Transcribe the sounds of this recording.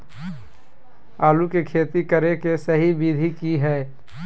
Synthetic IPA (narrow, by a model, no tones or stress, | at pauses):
aːlukekʰeːt̪ikəɾekesɐɦibid̪ʱikiɦɛː